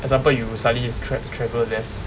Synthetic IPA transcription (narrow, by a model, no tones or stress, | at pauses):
ʔɛɡzãmpəljusalistʰɹɛtʰɹɛvəldɛs